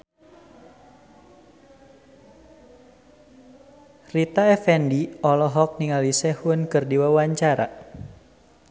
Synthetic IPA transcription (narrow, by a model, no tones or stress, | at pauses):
rit̪aɛfɛndiɔlɔɦɔk̚niŋalisɛhunkɨrdiwawaɲt͡ʃaɾa̰